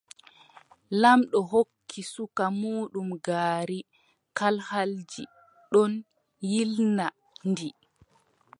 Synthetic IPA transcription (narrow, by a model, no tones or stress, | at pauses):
lamɗɔɦokʰːisukamuːɗumɡaːɾi | kalhald͡ʒḭ | ɗɔn | jilna | ndi